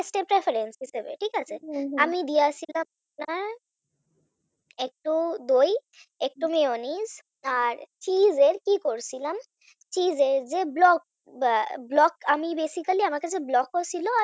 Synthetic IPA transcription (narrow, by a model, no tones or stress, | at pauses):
esʈepɾefʰaɾensɦiʃebḛʈʰikat͡ɕʰeamid̪ijat͡ɕʰilama | na | ek̚ʈud̪oj | ek̚ʈumeoniz | aɾt͡ɕizeɾkikoɾt͡ɕʰilam | t͡ɕizeɾd͡ʑeblɔk̚ | blɔkamibesikaliamaɾkat͡ɕʰeblɔkːot͡ɕʰiloa